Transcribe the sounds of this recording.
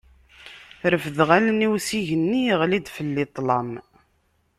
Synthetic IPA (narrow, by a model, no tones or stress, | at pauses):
ɾəfðʁæləniwsiʝənːiʁlid̪fəlːit̪ˤlɑm